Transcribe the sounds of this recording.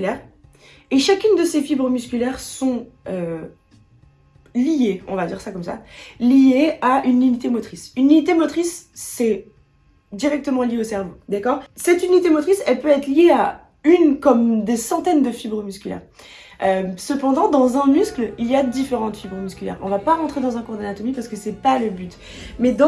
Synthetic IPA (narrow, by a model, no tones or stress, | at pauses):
lɛːʁ | eʃakʲynd̪əsefibʁəmyskʲylɛʁsɔ̃ø | lijeɔ̃vad̪iʁsakɔmsa̰lijeaʔyninit̪emɔt̪χisynlinit̪emɔt̪χisːɛ | d̪iʁɛk̚t̪əmɑ̃ljeosɛʁvod̪akɔːʁsɛt̪ynit̪emɔt̪χisɛlpøɛt̪χljea | ynkɔmd̪esɑ̃t̪ɛnd̪əfibʁəmyskʲylɛ̰ːʁʔøsəpɑ̃d̪ɑ̃d̪ɑ̃zɛ̃myskliljad̪ifeʁɑ̃t̪fibʁəmyskʲylɛ̰ʁɔ̃vapaʁɑ̃t̪χed̪ɑ̃zɛ̃kuʁd̪anat̪ɔmipaʁsə̥kəsɛpaləbyt̪ | mɛd̪ɑ̃